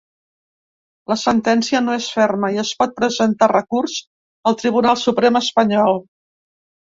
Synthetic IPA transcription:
ləsənt̪ɛnsiənoesfɛrməiəspɔt̪̚pɾəzənt̪arəkurz̥ | əlˠt̪ɾiβ̞unalˠsupɾeməspəɲɔlˠ

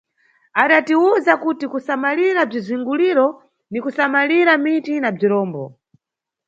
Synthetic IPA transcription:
aɗatiuzakutikusamaliɾab͡ʐiziŋɡuliɾɔ | nikusamaliɾamitinab͡ʐiɾɔːmbɔ̰

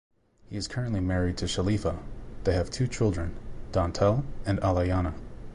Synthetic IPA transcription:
hiɨz̥kʰɜ˞ɨ̃nʔlimɛɹid̚tʰɨʃəlifəðeɪɨv̥tʰʉt͡ʃʰɪlˠdɹɨ̃nd̥ɑ̃ntʰɛlˠɨ̃nælˠaɪɑnə

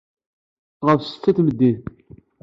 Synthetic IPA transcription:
ʁəfsət̪ːæθməd̪ːiθ

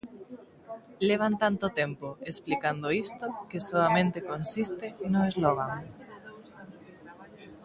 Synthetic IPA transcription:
leβ̞ant̪ant̪ʊt̪empoesplikand̪oist̪okɪsoamẽnt̪ekonsist̪ɪnoezloɣ̞aŋ

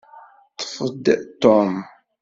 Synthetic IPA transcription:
t̪ə̥fəd̪t̪om

